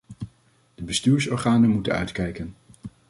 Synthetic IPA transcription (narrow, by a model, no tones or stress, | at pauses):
d̥əbəstyːɹsɔːɹχaːnəmutənœ̰ɥtkɛjkən